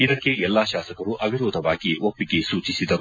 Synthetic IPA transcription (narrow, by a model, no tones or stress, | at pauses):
id̪ɐkːeɛlːaːʃaːsɐkɐɾuʔɐbʱiɾuːd̪ʱɐʋaːɡiʔopːiɡe̞suːt͡ʃisid̪ɐɾu